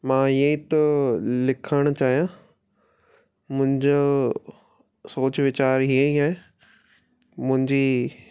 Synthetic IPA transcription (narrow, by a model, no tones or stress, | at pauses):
mãːiə̃ĩt̪olɪkʰəɽ̃ʊt͡ɕaːɦijã | mʊ̃ɦɪ̃ɲd͡ʑo | soːt͡ɕʋɪt͡ɕaːɾɦiẽĩa | mʊ̃ɦɪ̃ɲd͡ʑiː